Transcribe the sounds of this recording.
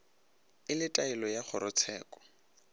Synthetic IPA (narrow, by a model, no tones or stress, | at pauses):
ɪlɪtʼaɪlɔjaχʊɾʊt͡sʰɛːkʼɔ̥